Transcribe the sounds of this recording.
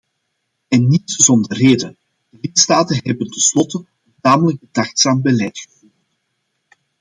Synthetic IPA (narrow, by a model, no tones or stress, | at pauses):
ɛnːitzɔndərreːdən | d̥əlɪtstaːtənɦɛbəntɛnslɔtə | əntaːmələk̚bədaxtsaːmbəlɛjtxə̥vu